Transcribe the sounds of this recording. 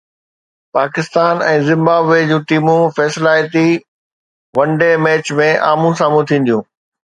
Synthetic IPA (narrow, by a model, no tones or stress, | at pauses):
paːkɪst̪aːnɛ̃ːzɪ̃mbaːbed͡ʑũːʈiːmũfɛːsɪlaːɪt̪i | ʋɐ̃ɳɖemɛːt͡ɕmẽʔaːmũsaːmũt̪ʰĩːnd̪ijũː